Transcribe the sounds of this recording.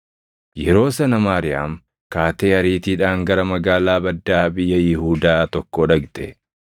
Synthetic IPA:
jɛɾo̞ːsɐnɐmaːɾɪja̰ːm | kaːt̪eːɐɾiːt̪iːᶑaːŋɡɐɾɐmɐɡaːlaːbɐd̪ːaːbɪjːɐjɪhuːd̪aːt̪ɔkːɔːᶑɐɡt̪ɛ

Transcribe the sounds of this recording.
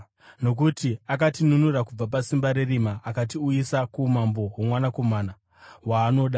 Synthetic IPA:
no̞k̬utiak̬atinunurakub͡vap̬asimbaɾerimaʔːkat̬iuisakumambo̞ɦomwanako̞maːna | waːno̞ɗa

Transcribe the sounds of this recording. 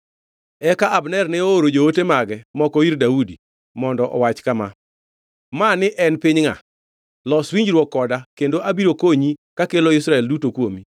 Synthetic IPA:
ɛkaʔabnɛrnɛooɾod͡ʒootemaɡɛmɔkɔirdaudi | mɔndɔʔɔ̰wat͡ʃkama | manɪʔɛnpɪɲŋa̰ | lɔswiɲd͡ʒɾwɔkːɔdakendoʔabiɾokoɲikakeloisɾaɛldutokwomi

